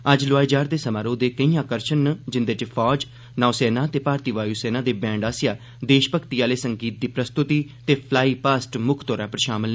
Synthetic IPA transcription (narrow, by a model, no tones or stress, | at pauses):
əd͡ʒlʊaːid͡ʒaːɾd̪eːsəmaːɾoːd̪eːkəĩːjãːkəɾʃənːəd͡ʒɪnd̪eːʈeːpʰɔːd͡ʒ | naːsɛːnaːt̪eːpaːɾt̪iːʋaːjuːsɛːnãːd̪eːbɛ̃ːɳɖaːsɪjaː | d̪eːʃpəkʰt̪iaːleːsəŋɡiːt̪̚d̪iːpɾəst̪ʊt̪iːt̪eːpʰlaːiːpaːsʈmʊkʰt̪ɔːɾaːpəɾʃaːməlː